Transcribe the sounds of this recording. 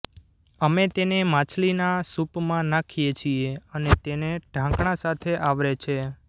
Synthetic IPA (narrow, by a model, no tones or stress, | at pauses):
əmet̪enemãt͡ʃʰlinasupmãnakʰijet͡ʃʰieənet̪eneɖʱãkɳ̃ãsat̪ʰeʔaʋɾet͡ʃʰe